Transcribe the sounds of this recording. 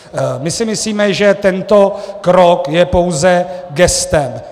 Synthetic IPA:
mɪsɪmɪsliːmɛʒɛt̪ɛnt̪o̞kɾokjɛpo̞wzɛɡɛst̪ɛm

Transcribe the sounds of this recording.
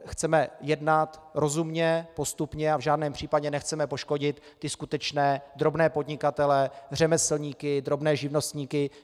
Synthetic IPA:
xt͡sɛmɛjɛdnat̪ɾo̞zumɲɛpo̞st̪upɲɛavʒaːdnɛːmpr̥iːpaɟɛnɛxt͡sɛmɛpo̞ʃko̞ɟɪt̪ːɪskut̪ɛt͡ʃnɛːd̪ɾo̞bnɛːpo̞dɲɪkat̪ɛlɛr̝ɛmɛsl̩ɲiːkɪd̪ɾo̞bnɛːʒɪvno̞st̪ɲiːkɪ

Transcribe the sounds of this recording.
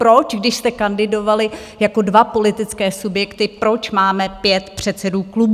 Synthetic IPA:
pɾo̞t͡ʃɡdɪʃst̪ɛkandɪdo̞valɪ | jako̞dvapo̞lɪt̪ɪt͡skɛːsubjɛkt̪ɪpɾo̞t͡ʃmaːmɛpjɛt̪pr̝̥ɛt̪sɛduːklub

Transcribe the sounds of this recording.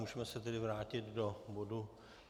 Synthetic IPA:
uːʒɛmɛsɛt̪ɛdɪvɾaːcɪt̪dobodu

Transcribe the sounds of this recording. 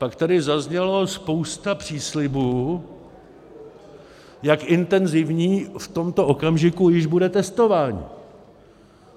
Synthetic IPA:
pakt̪adɪzazɲɛlospo̞wst̪apr̝̥iːslɪbuː | jakɪnt̪ɛnzɪvɲiːft̪o̞mt̪o̞ʔo̞kamʒɪkujɪʒbudɛt̪ɛst̪o̞vaːɲḭ

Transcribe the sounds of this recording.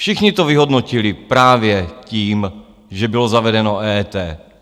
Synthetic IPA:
fʃixɲit̪oviɦod̪nocilipɾaːvjɛciːm | ʒɛbilozavɛdɛnoʔɛːt̪ɛː

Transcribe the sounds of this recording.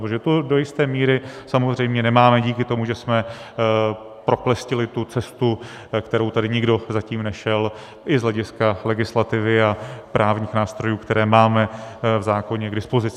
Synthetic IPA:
ʒɛt̪odojɪst̪ɛːmiːɾɪsamo̞zr̝ɛjmɲɛnɛmaːmɛɟiːkɪt̪o̞muʒɛsmɛ | pɾo̞klɛscɪlɪt̪ut͡sɛst̪u | kt̪ɛɾowt̪adɪɲɪɡdo̞zaciːmnɛʃɛl | ʔɪzɦlɛɟɪskalɛɡɪslat̪ɪvɪapɾʔaːvɲiːxnaːst̪ɾo̞juːkt̪ɛɾɛːmaːmɛvzaːko̞ɲɛɡdɪspo̞zɪt͡sɪ

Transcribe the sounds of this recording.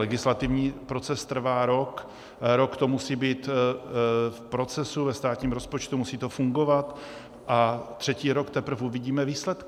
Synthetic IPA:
lɛɡɪslat̪ɪvɲiːpɾo̞t͡sɛst̪r̩vaːɾo̞k | ɾo̞kt̪o̞musiːbiːt̪ | fpɾo̞t͡sɛsuvɛst̪aːt̪ɲiːmɾo̞spo̞t͡ʃt̪umusiːt̪o̞fuŋɡo̞vat̪ | ʔat̪r̝̥ɛciːɾo̞kt̪ɛpr̩fʔuvɪɟiːmɛviːslɛt̪kɪ

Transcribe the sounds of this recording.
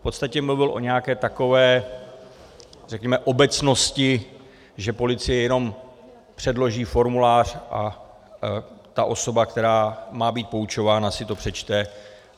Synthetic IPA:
fpo̞t̪st̪acɛmluvɪlʔo̞̰ɲɛjakɛːt̪ako̞vɛː | rɛkɲɛmɛʔo̞bɛt͡sno̞scɪ | ʒɛpo̞lɪt͡sɪjɛjɛno̞m | pr̥ɛdlo̞ʒiːfo̞ɾmulaːr̝̥ʔa̰ | t̪aʔo̞so̞bakt̪ɛɾaːmaːbiːt̪̚po̞ut͡ʃo̞vaːnasɪt̪o̞pr̥ɛt͡ʃt̪ɛ

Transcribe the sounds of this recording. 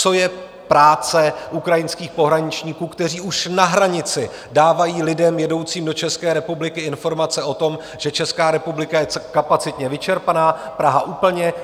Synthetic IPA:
t͡so̞jɛ | pɾaːt͡sɛʔukɾajɪnskiːxpo̞ɦɾaɲɪt͡ʃɲiːkuːkt̪ɛr̝iːuʃnaɦɾaɲɪt͡sɪ | daːvajiːlɪdɛmjɛdo̞wt͡siːmdo̞t͡ʃɛskɛːɾɛpublɪkɪɪnfo̞ɾmat͡sɛo̞t̪o̞m | ʒ̥ɛt͡ʃɛskaːɾɛpublɪkajɛkapat͡sɪt̪ɲɛvɪt͡ʃɛɾpanaːpɾaɦaʔuːpl̩ɲɛ

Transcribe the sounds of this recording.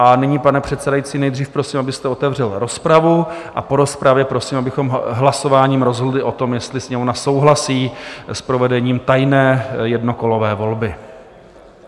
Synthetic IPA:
ʔanɪɲiːpanɛpr̥ɛt̪sɛdajitt͡siːnɛjd̪riːfpɾo̞siːmabɪst̪ɛo̞t̪ɛvr̝ɛlɾo̞spɾavuʔa̰po̞ɾo̞spɾavjɛpɾosiːmabɪxo̞mɦlaso̞vaːɲiːmɾo̞zɦodlɪʔo̞t̪o̞mjɛst̪lɪsɲɛonaso̞wɦlasiːspɾo̞vɛdɛɲiːmt̪ajnɛːjɛdno̞ko̞lo̞vɛːvo̞lbɪ

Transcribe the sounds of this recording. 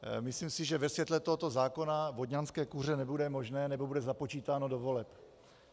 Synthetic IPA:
mɪslimsɪʒɛvɛsvjɛt̪lɛt̪oɦot̪o̞zaːko̞navo̞dɲanskɛːkur̝ɛnɛbudɛmo̞ʒnɛːnɛbo̞budɛzapo̞t͡ʃiːt̪aːno̞dovo̞lɛp

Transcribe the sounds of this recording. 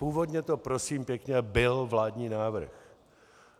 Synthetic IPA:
puːvo̞d̪ɲɛt̪o̞pɾo̞siːmpjɛkɲɛbɪlvlaːd̪ɲiːnaːvr̩̰x

